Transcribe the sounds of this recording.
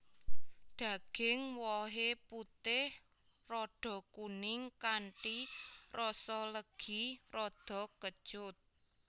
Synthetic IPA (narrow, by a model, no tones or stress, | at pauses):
ɖ̪̥ä̤ɡ̥ɪŋwɔɦeput̪ɪh | rɔɖ̥ɔ̤kunɪŋkaɳʈirʔɔsɔləɡ̥i̤rɔd̪̥ɔ̤kə̥ʒ̥ʊt̪̚